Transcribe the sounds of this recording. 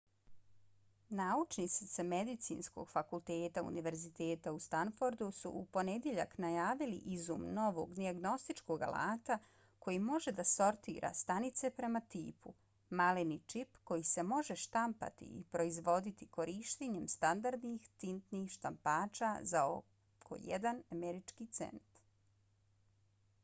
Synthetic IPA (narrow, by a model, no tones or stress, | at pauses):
naut͡ʃnit̪sit̪seme̞d̪it̪sḭːnsko̞̰ɡ̥fakulˠt̪eːt̪aṵniʋe̞ɾzit̪e̞ːt̪aust̪anfo̞ɾd̪usṵʔupo̞ned̪jeʎaknajaːʋilḭʔizṵmno̞ʋo̞ɡd̪iaɡno̞st̪it͡ʃko̞ɡa̰lʔa̰ːt̪a | kʰo̞jimo̞ʒed̪aso̞ɾt̪ḭːɾʔa̰st̪anit̪se̞pɾe̞mat̪iːpu | malenit͡ʃipko̞jise̞mo̞ʒeʃt̪ampa̰t̪ḭḭpɾo̞izʋo̞d̪it̪iko̞ɾiʃt̪eɲemst̪and̪aɾd̪nixt̪int̪niːxʃt̪ampaːt͡ʃazao | kʰo̰jḛd̪anameɾit͡ʃkit̪sḛnt̪